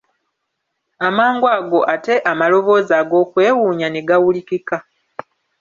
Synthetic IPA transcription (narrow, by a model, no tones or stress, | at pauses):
amaːŋɡwaːɡo̞ʔate̞ʔamalo̞βo̞ːzaːɡo̞ːkwe̞ːwuːɲane̞ɡawulikika